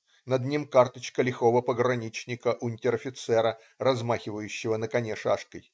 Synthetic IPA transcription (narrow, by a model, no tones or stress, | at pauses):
nɐd̪nʲimkart̪ət͡ɕkəlʲɪxovəpəɡɾɐnʲit͡ɕnʲɪkəʔʊnʲtʲɪɾɐfʲɪt̪sɛɾə | rɐzmaxʲɪvəjʉɕːɪvənəkɐnʲeʂa̰ʂkəj